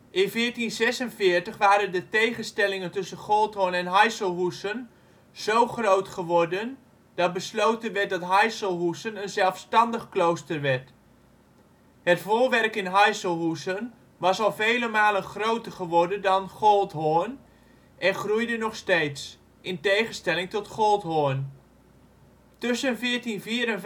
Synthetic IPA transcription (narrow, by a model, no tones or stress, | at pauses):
ʔɪnfɪːɹtinzɛsənfɪːɹtəχʋaːɾəndətejχənstɛlɪŋəntɵsənχɔlˠtɦoənɛnɦajsəlˠɦusən | z̥owχrowtχəʋɔrdən | d̥ɑt̚bəslowtənʋɛt̚dɑtɦajsəlˠɦusənənzɛlˠfstɑndəχklowstərʋɛrt | hətfoːlʋɛrkɪnɦajsəlˠɦusən | ʋɑsɑlˠvejləmaːlˠənχrowtərχəʋɔrdədɑnχɔlˠtɦoːən | ʔɛnχrujdənɔχsteːts | ʔɪntejχənstɛlɪŋtɔtχɔlˠtɦoːən | tʏsənfɪərtinviəɾən